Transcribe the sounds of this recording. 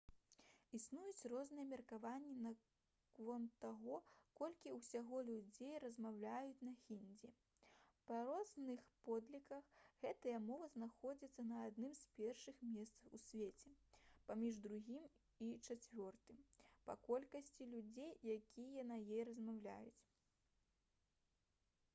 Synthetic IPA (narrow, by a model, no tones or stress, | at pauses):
isnujut͡sʲrɔznɨjɛmʲɛrkavanʲːinɐ | kvɔmt̪aɣɔkɔlʲkʲiwsʲaɣɔlʲud͡zʲejrɐzmawlʲajut͡sʲnɐxʲinʲd͡zʲi | pɐɾɔznɨxpɔd̪lʲikɐxɣɛt̪ɐjɐmɔvɐznaxɔd͡zʲit̪sːɐnɐːd̪nɨmspʲɛrʂɨxmʲɛst̪sɐxusʲvʲet͡sʲɛpamʲiʐd̪ɾuɣʲim | it͡ʂat͡sʲvʲɔrt̪ɨmpɐkɔlʲkɐsʲt͡sʲilʲud͡zʲejjakʲʰijɐnɐjejɾɐzmawlʲa̰jut͡sʲ